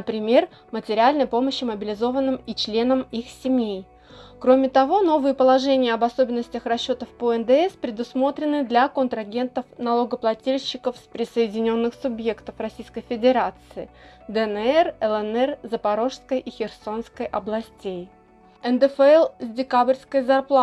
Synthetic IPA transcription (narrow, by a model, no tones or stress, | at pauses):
nəpɾʲɪmʲe̞r | mətʲɪɾʲɪalʲnəjpo̞məɕːɪməbʲɪlʲɪzo̞vənːɨmit͡ɕlʲe̞nəmixsʲɪmʲej | kɾo̞mʲɪt̪ɐvo̞no̞vɨjəpəlˠɐʐɛnʲɪjəɐbɐso̞bʲɪnːəsʲtʲəxrɐɕːo̞t̪əfpoɛnd̪ɛɛspɾʲɪd̪ʊsmo̞t̪ɾʲɪnɨd̪lʲɐkənt̪ɾɐɡʲe̞nt̪əfnɐlˠoɡəplˠɐtʲilʲɕːɪkəfspɾʲɪsəɪdʲɪnʲo̞nːɨxsʊbje̞kt̪əfrɐsʲijskəjfʲɪdʲɪɾat̪sɨɪd̪ɛnɛrɛlˠɛnɛrzəpɐɾo̞ʂskəjʔixʲɪrso̞nskəjʔɐblˠɐsʲtʲej | ɛnd̪ɛfɛlˠzʲdʲɪkabɾʲskəjzɐrplˠa